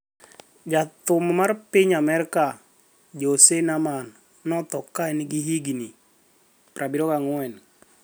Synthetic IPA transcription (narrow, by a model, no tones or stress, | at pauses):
d͡ʒat̪ʊmmarpɪɲamɛrka | d͡ʒosenamanː | ɔt̪ɔkːaɛniɡiɦiɡini | prʔabiɾɔkaŋʊɛn